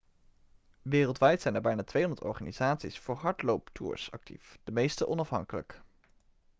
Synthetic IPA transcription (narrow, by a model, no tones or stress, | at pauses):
ʋɪːrəlˠtʋɛjtsɛjnɛɹbɛjnaːtʋejɦɔndəɹtɔ̰ɹχaːniz̥aːtsisfʊːɹɦɑɹtlowptʰṵːɹsɑ̰k̚tḭfd̥əmejstəʔɔnɑfɦɑ̰ŋkələ̰k